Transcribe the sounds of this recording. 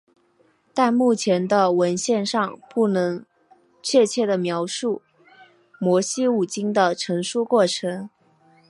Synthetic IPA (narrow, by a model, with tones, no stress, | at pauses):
t̪a˥˧nmu˥˩t͡ɕʰjɛ˧˥nd̪ə˧wə˧˥nɕjɛ˥˧nʂɑ˥˧ŋpu˥˩nɤ˧˥ŋ | t͡ɕʰɥɛ˥˧t͡ɕʰjɛ˥˩d̪ə˩mjɑ˧˥ʊʂu˥˩ | mwɔ˧˥ɕi˥u˨˩t͡ɕi˥ŋd̪ə˨ʈ͡ʂʰɤ˧˥ŋʂu˥˧kwɔ˥˩ʈ͡ʂʰɤ˧˥ŋ